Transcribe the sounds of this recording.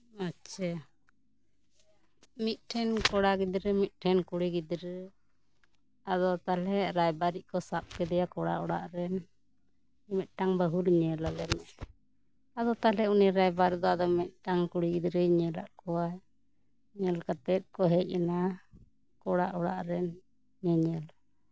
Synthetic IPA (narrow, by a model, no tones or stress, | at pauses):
atːʃʰa | mit̪̚ʈʰɛnkɔɽaɡid̪ɾɛmit̪̚ˀʈʰɛnkuɽiɡid̪ɾə | ad̪ɔt̪alɛɾajbaɾiʔ̚kɔsap̚kɛd̪ɛjakɔɽa̰ʔɔɽa̰ʔɾɛn | mɛt̪̚ʈaŋbəɦulɲɛlalɛmɛʔ | ad̪ɔt̪alɛuniɾajbaɾd̪ɔad̪ɔmɛt̪̚ʈaŋkuɽiɡid̪ɾəɲɛla̰ʔkɔwa | ɲɛlkat̪ɛt̪̚ˀkɔɦɛc̚ˀɛna | kɔɽaʔɔɽa̰ʔɾɛn | ɲɛɲɛl